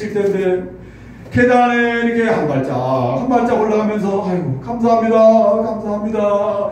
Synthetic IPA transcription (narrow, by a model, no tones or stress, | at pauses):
ik̚t͈enɯnde | kʰedaneiɾikʰe̞hanmaɭt͡ɕ͈a̰hanmaɭt͡ɕ͈awoɭːaɦamjʌns̬ʰʌajɡokamsʰaɦamɲidakamsʰaɦamɲida